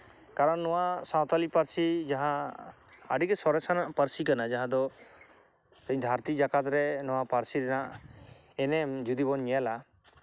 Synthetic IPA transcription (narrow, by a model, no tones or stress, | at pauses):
kaɾɔnːɔwasaw̃t̪alipaɾsid͡ʒaɦã | ə̰ɖikɛsɔɾɛsanaʔpaɾsikanad͡ʒaɦãd̪ɔ | t̪əɲd̪ʱaɾt̪id͡ʒakat̪ɾɛnɔwapaɾsiɾɛnaʔ | ɛnɛmd͡ʒud̪ibɔɲɲɛjala